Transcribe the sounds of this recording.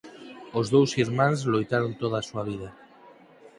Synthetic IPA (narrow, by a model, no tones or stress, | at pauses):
ozðowsiɾmãnzlojt̪aɾont̪oð̞asuaβ̞ið̞a